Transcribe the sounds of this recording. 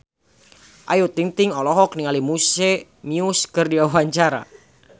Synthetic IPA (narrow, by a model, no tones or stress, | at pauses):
ʔajot̪iŋt̪ɪŋɔlɔɦɔk̚niŋalimuse | miuskərdiawaɲt͡ʃaɾa̰